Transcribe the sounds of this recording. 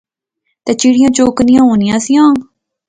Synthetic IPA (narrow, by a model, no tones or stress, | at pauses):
t̪et͡ʃiɽɪjãːt͡ʃoːknɪjãːɦoːnɪjãːsijãː